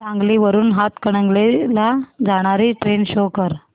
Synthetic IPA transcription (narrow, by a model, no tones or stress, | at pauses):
t͡sãŋɡliʋəɾuːnɦat̪kəɽ̃əŋɡlelad͡zaɽ̃aɾiʈɾenɕokəɾ